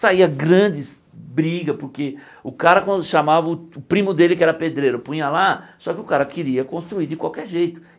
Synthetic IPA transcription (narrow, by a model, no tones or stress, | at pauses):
saiɐɡɾɐ̃d͡ʒɪz | bɾiɡɐpʊɾke | ʊkaɾɐkõʃamavɐʊʊpɾĩmʊd̪elɪkɪɛɾɐped̪ɾejɾʊpũĩɐlasɔkɪʊkaɾɐkɪɾiɐkõst̪ɾuiɾd͡ʒɪkwawkɛɾʒejt̪ʊ̥